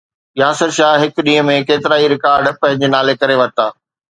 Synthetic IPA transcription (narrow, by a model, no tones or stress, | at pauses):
jaːsəɾʃaːɦɦɪkɗĩːə̃mẽkeːt̪ɪɾaːiɾɪkaːɾɖpɐ̃ɦɪ̃ɲd͡ʑenaːlekɐɾeʋɐɾt̪aː